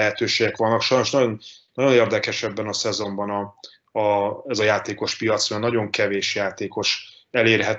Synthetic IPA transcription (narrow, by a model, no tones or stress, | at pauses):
ɛɦɛt̪øːʃeːɡɛkʋɒnːɒkʃɒjno̞ʃnɒɟo̞nnɒɟo̞neːrd̪ɛkɛʃɛbːɛnɒsɛzo̞mbɒnɒ | ɛzɒjaːt̪eːko̞ʃpijɒt̪smønɒɟo̞ŋkɛveːʃjaːt̪eːko̞ʃ | ɛleːrɦɛt